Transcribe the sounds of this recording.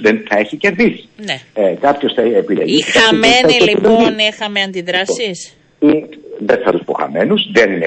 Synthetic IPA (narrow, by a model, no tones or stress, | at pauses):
ðenθɐe̞çice̞ɾðisi̥neekɐpço̞sθɐepilḛʝisiɐɐimeɐioob̪eiinixɐmeɐnd̪iðɾɐsis | iðeθɐt̪uspo̞xɐ̰me̞nuzðenine